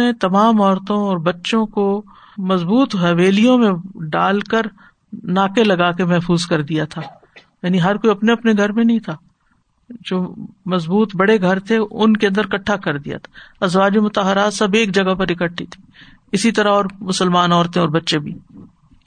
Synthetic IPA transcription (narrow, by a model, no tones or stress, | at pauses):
et̪ɐmaːmɔːɾt̪õɔːɾbɐtːʃõko | mɐzbuːt̪ɦɛʋeːlijõmẽɖaːlkəɾ | naːkelɐɡaːkemɛɦfuːzkɐɾd̪ijat̪ʰaː | jaːniɦɐɾkoiɐpneɐpneɡʱɐɾmẽnɐɦĩt̪ʰaː | d͡ʒoːmɐzbuːt̪bɐɽeɡʱɐɾt̪ʰeʊnkeɐ̃nd̪əɾkɐʈʰːakɐɾd̪ija̰t̪ʰḁɐzʋaːd͡ʒemʊt̪əɦəɾaːt̪sɐbeːk̚d͡ʒɐɡapɐɾɪkəʈʰːit̪ʰi̥ː | ɪsit̪ɐɾaɔːɾmʊsəlmaːnɔːɾt̪ẽɔːɾbɐtːʃẽbʱiː